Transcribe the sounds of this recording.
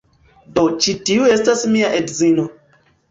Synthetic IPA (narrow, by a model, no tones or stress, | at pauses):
dot͡ʃitiuestasmiaʔedzino